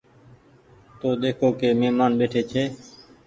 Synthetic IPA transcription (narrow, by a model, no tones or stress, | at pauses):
t̪oːɗ̪eːkʰoːkeːmeːmaːnɓeːʈʰeːt͡ʃʰeː